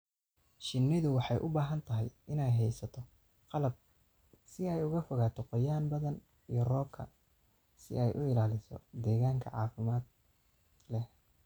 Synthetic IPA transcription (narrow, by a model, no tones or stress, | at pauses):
ʃɪnːɪðʊwɑħɑjʔʊbaːɦɐnt̪ʰɐɦɛjʔɪnɛjɦɛjsɐt̪ʰɔ | qɑlɐb̚ | sɪɛjʊɣɐfɔɣaːt̪ʰɔqɔjaːnbɐðɐn | ijɔrɔːkʰɐ̰ | sɪ̰ɛjʔʊɪlaːlɪsɔ̰d̪ɛːɣaːŋkʰɐ̰ʕɑ̰ːfɪmaːd̪̚ | lɛh